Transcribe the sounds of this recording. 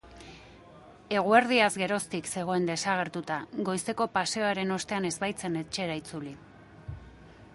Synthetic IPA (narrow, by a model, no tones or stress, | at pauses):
e̞ɣ̞ue̞ɾðiazɡe̞ɾo̞st̪ikse̞ɣ̞o̞e̞nd̪e̞saɣ̞e̞ɾt̪ut̪aɡo̞jst̪e̞ko̞pase̞oaɾe̞no̞st̪e̞ane̞zbajt͡se̞ne̞t͡ʃe̞ɾait͡suli